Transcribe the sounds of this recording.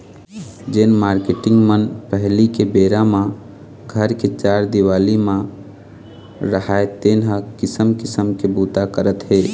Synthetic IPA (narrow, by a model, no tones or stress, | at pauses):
d͡ʒeːnmaːɾkeʈɪ̃ŋɡmənpəɦlikebeːɾãmã | ɡʱəɾket͡ʃaːɾd̪ɪwaːlimã | ɾəɦaːet̪eːnɦãkɪsəmkɪsəmkebuːt̪akəɾət̪ɦeː